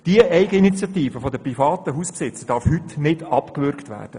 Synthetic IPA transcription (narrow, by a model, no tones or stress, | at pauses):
d̥iəʔɛɪɡəinit͡sjɑt̪iːfəfodəprifɑːtəɦuːspsɪt͡səd̥ɑɾfhytnɪdɑpkʋʏɾktʋæ̰ːrd̥ə